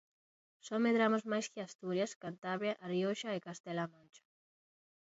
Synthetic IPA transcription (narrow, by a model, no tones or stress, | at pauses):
someðɾamozmajskɪast̪uɾjaskant̪aβɾjaʔarioʃaekast̪ɛlamõnt͡ʃḁ